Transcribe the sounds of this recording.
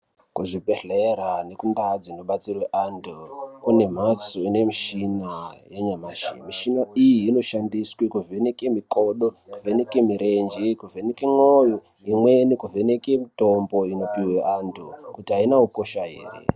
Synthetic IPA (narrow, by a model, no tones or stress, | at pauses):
kuʐibʱeɮeɾane̞kundad͡zinoɓat͡sirweʔandokune̞m̤at͡soine̞miʃinajaɲamaːʃḭmiʃinaijiːno̞ʃandiswikuvʱenekemikoɗokuvʱe̞nekemiɾe̞nd͡ʒikuvʱenekeŋojo | imwe̞nikuvenekemitombo̞ino̞piweʔandokutiɦainaupoʃaɦḛːrḛ